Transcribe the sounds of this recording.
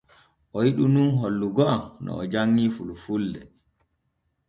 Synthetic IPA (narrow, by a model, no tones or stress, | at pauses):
ʔɔjiɗununɦolːuɡɔʔanʔɔ̰ɔd͡ʒaŋːiːfulufulːɛ